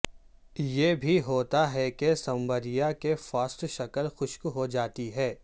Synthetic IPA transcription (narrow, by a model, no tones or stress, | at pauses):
jebʱiɦoːt̪aɦɛkesɐ̃mbəɾijakefaːst̪ʃɐkəlxʊʃkɦod͡ʒaːt̪iɦɛː